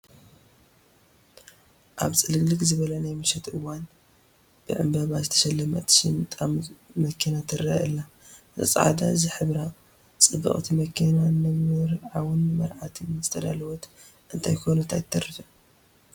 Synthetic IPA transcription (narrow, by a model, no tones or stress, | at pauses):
ʔaβt͡sʼɨlɨɡlɨkzɨβɐlɐnajmɨʃɛt̪ʔɨwan | b̥ɨʕɨmbɐβazɨt̪ʰɐ̥ʃɐlːɐmɐ̰t̪ʼʃimɨt̪ʼammɐkʰinat̪ʰɨɾa̰ʔɨlːa | ʔɨ̰sʼʕa̰d̪a̰zɨħɨβɾa | t͡sʼɨbɐ̰χʼt̪ʰimɐkʰinanɨmɨɾʕawɨnːɨmɐɾʕat̪ʰizɨt̪ʰɐd̪a̰lɐwot̪ | ʔɨnt̪ʰajkʰonut̪ʰa̰jt̪ʰːɐɾifɐ